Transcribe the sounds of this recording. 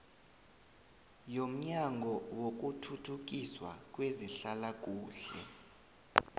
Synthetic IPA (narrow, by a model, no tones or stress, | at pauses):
jom̩ɲaŋɡʱɔwok̬utʰutʰuk̬iswa̰k̬ʼweziɬalak̬ʼuːɬɛ̰